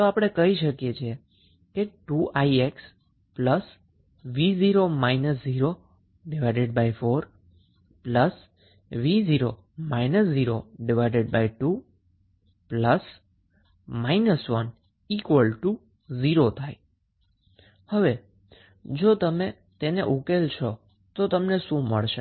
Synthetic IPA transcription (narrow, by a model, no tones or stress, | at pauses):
t̪oapəɽ̃ekəɦiʃəkjet͡ʃʰie | keʈuʔaieks | pləs | ʋiziɾomainəsziɾo | ɖɪʋajɖeɖbajfoɾ | pləs | ʋiziɾo | mainəsd͡ʒiɾoɖɪʋajɖeɖ̚bajʈu | pləs | mainəsʋən | ikʋəlʈu | ziɾot̪ʰaj | həʋe | d͡ʒot̪əme | t̪eneʔukelt͡ʃʰɔ | t̪ot̪əmneʃũmə̰ɭʃe